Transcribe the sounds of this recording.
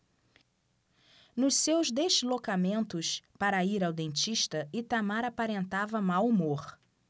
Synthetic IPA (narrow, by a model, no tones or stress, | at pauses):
nʊʃsewzd̪ezlokamẽnt̪ʊspaɾɐiɾawd̪ẽnt͡ʃiʃt̪ɐɪt̪amaɾapaɾẽnt̪avɐmawumoχ